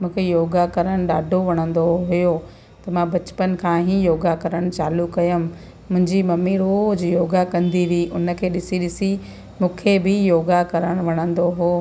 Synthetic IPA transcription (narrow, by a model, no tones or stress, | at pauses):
mũːkʰejoːɡakɐɾəɽ̃ɗaːɖʱoʋɐɽ̃ə̃nd̪oɦʊjo | t̪ɐmãbɐt͡ɕpən̆kʰãːɦijoːɡakɐɾəɽ̃t͡ɕaːlukɐjəmː | ʊ̃ɦɪ̃ɲd͡ʑimɐmiɾoːd͡ʑijoːɡakɐ̃nd̪iʋiʔʊnə̆kʰeːɗɪsiɗɪsi | mũːkʰebɪjoːɡakɐɾəɽ̃ʋɐɽ̃ə̃nd̪oɦoː